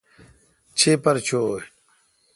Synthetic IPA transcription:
t͡ɕʰepɐɾt͡ɕʰoːj

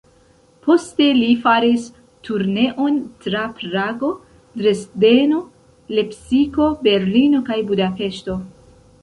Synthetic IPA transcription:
pʰo̞ste̞lifaɾis | tuɾne̞ʔo̞ntɾapɾaɡo̞ | dɾesde̞no̞ | le̞psiko̞be̞ɾlino̞kajbudape̞ʃto̞

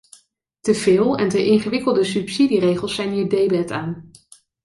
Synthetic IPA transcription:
təvɪːlˠɛntəʔɪŋχəʋɪkəlˠdəsypsidirejχəlˠsɛjnɦiːɹdejbɛtaːn

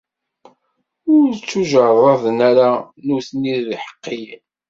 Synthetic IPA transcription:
ʊɾt͡sːuʒəɾˤðˤɑðənæɾa | nʊθniððiħə̥qːij

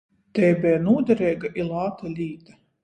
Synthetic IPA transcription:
t̪ɛːbʲɛːnuɔd̪ʲɛɾɛːɡaʔilˠaːt̪alʲiːt̪a

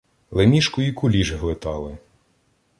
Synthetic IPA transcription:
lˠemʲiʃkʊikʊlʲiʒɦlˠɪt̪ɑlˠɪ

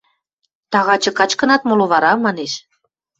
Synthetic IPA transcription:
t̪ɑɣɑt͡ɕɤ̆kɑt͡ɕkɤ̆nɑt̪moloβɑɾɑmɑneʃ

